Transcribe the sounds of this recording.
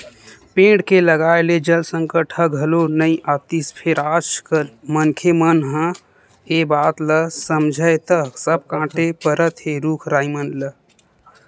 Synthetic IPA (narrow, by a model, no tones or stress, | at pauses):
pẽːɖkeləɡaːeled͡ʒəlsə̃ŋkəʈʰəɡʱəlonəĩʔat̪ispʰeɾat͡ʃkəlmənkʰemənɦə̃ | ebaːt̪ləsəmd͡ʒʱəjt̪əsəb̚kãːʈepəɾət̪ɦeɾukʰɾaːimənlə